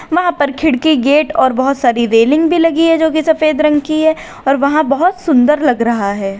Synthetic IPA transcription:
ʋɐɦãpɐɾkʰɪɽkiɡeːʈɔːɾbɐɦʊt̪saːɾiɾeːlɪ̃ŋɡbʱilɐɡiɦɛd͡ʒoːkisɐfeːd̪ɾɐ̃ŋɡkiɦɛ | ɔːɾʋɐɦãbɐɦʊt̪sʊ̃nd̪əɾlɐɡɾɐɦaɦɛː

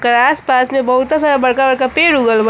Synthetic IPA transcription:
kəɾaːspaːsmẽbɐɦʊt̪asaːɾabɐɽkabɐɽkapeːɾuɡəlb

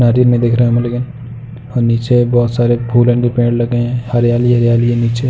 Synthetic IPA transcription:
naːɾiɾmẽd̪eːkʰɾɐɦmɐlekɪn | ɔːɾniːt͡ʃebɔːt̪saːɾebʱuːlə̃nkepẽːɳɽlɐɡeɦɛ̃hɐɾjaːliɦɐɾjaːliẽniːt͡ʃe

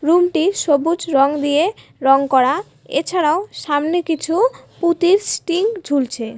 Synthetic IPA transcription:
ɾumʈiʃobud͡ʑɾɔŋd̪ije | ɾɔŋkɔɾa | ḛt͡ɕʰaɾaoʃamnekit͡ɕʰuput̪iɾsʈiŋd͡ʑʱult͡ɕʰe

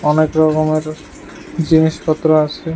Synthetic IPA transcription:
ɔnekɾɔkomeɾ | d͡ʑiniʃpʰɔt̪ːɾoat͡ɕʰe

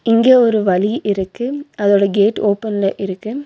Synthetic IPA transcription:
ɪŋɡeːɔɾɯʋɐliʔɪɾɯkːɯɐðoːɽɐɡeːʈoːpːɐnlɐʔɪɾɯkːɯ

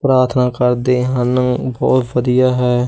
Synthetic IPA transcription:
pɾaːɾt̪ʰnaːkəɾd̪eːɦənəbɔ̰ːt̪ʋəd̪ijaːɦɛː

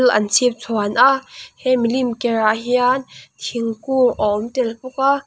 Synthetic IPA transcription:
lʔɐ̰nt͡sʰip̚t͡sʰɔanʔahɛmilimkɛɹaɦiant̪ʰiŋkuʔɔmt̪ɛlpuk̚a

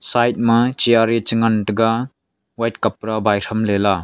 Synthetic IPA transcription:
sajt̚mɐt͡ʃiaɾit͡ʃɯŋantɯɡa | wajtkap̚ɾabajɾʰɐmlela

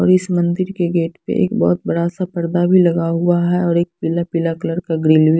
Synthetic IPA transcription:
ɔːɾɪsmɐ̃nd̪ɪɾkeɡeːʈpḛʔḛːkbɔ̰ːt̪̚bɐɾaːsapɐɾd̪abʱilɐɡaɦʊaɦɛɔːɾeːk̚pɪlapɪlakləɾkaɡɾɪːlbi

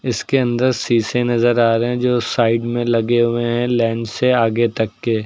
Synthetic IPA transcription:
ɪskeɐ̃nd̪əɾsiːsenɐzəɾaːɾeɦɛ̃d͡ʒoːsaːɪɖmẽlɐɡeɦʊeɦɛ̃lɛːɳɖseaːɡet̪ɐkːeː

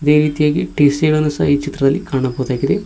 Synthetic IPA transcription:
iðeːɾiːd̪ijaːkiʈeːseɭɐnːɐsa̰iːt͡ɕit̪rɐðɐlkaːɳɐpːoːut̪aːkːiðe

